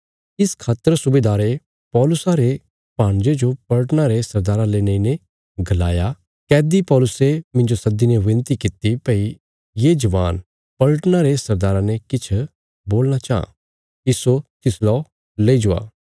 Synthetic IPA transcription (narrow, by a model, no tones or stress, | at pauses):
ɪskʰaːt̪əɾsʊbeːd̪aːɾe | pɔːlʊsaɾe | paːɽ̃d͡ʒed͡ʒopɐlʈnaɾesɐɾd̪aːɾãleːnə̃ine | ɡʱɐlaːja | kɛːd̪ipɔːlʊsemɪ̃ɲd͡ʒosɐd̪inɛʋɪ̃nt̪ikɪt̪ipɛi | jeːd͡ʒɐʋaːn | pɐlʈnaɾesɐɾd̪aːɾãnɛkɪt͡ʃʰ | boːlnat͡ʃaːã̰ | iːsot̪ɪslɔː | leːid͡ʒʊa̰ː